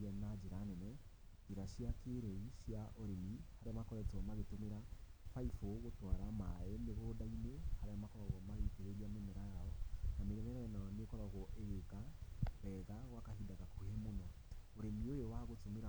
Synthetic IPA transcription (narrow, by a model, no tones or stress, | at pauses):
ɛnad͡ʒeɾanɛnɛ | eɾaʃijakeɾɛiʃjaʔoɾemihaɾeamakɔɾɛtɔmaɣetomeɾa | faifoɣotwaɾamaɛneɣodainehaɾeamakɔɾɔɣɔmaɣeteɾeɾiamemɛɾajaɔnameɾemɛɾaɛnaɔnekɔɾɔɣɔʔeɣekaɛɣaɣwakahidaɣakuhemonɔ | oɾemiojowaɣotomeɾa